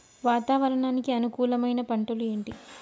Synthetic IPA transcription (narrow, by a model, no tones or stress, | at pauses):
ʋaːt̪aːʋɐɾɐɳaːnikiɐnukuːlɐmɐjnɐpɐɳʈɐlue̞ːɳʈi